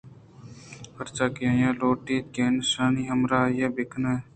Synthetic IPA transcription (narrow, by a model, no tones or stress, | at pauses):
həɾt͡ʃaːkɪjãːjãːloːʈiːt̪̚keːnsaːniːɦəmɾaːjeːbɪkʰneː